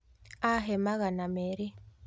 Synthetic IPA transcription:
aɦemaɣanameɾi

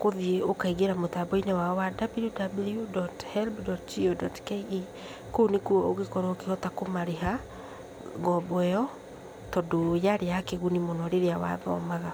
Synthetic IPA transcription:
koðiokaiɣeɾamotabɔinɛwaɔwadabiludabljudɔthɛlbdɔtd͡ʒiodɔtkei | kounekuɔoɣekɔɾokeɔtakomaɾeɦa | ɡɔbɔɛɔ | tɔdojaɾeakeɣunimɔnɔɾeɾeawa̰ðɔ̰maɣa

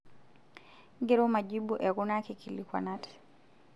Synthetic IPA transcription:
ŋɡɛɾɔmad͡ʒibuʔɛɡunakikilikwa̰natɛ̥

